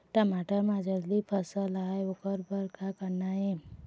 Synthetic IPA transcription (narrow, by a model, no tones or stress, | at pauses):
ʈəmaʈəɾmãd͡ʒəɾlipʰəsəlajokəɾbəɾkʰakəɾnaje